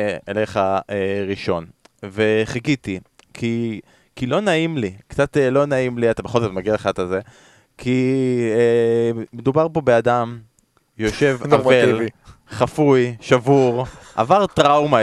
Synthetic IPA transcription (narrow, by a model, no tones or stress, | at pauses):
eleχaeʁiʃo̞nveχeɡitikʰi | kilo̞naimlikt͡satelo̞naimliatabeχo̞lzotmaɡialeχatalze | kʰi | medubaʁpo̞beadam | jo̞ʃe̞vavelviχafujʃavuʁʔa̰vaʁtʁawma